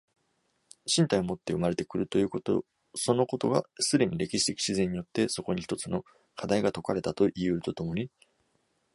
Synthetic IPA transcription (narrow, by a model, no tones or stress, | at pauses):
ɕĩnt̪aio̞mo̞t̪ːe̞ɯ̟maɾe̞t̪e̞kɯ̟ɾɯ̟t̪o̞jɯ̟ːkot̪o̰ | so̞no̞ko̞t̪o̞ɡa̰sɨd̪e̞ɲ̟iɾe̞kʲiɕi̥t̪ekʲi̥ɕizẽɲ̟ːijo̞t̪ːe̞so̞ko̞ɲ̟içi̥t̪ot͡sɨno̞ | kʰad̪aiɡat̪o̞kaɾe̞t̪at̪o̞ʔiɯ̟ɯ̟t̪o̞t̪o̞mo̞ɲ̟i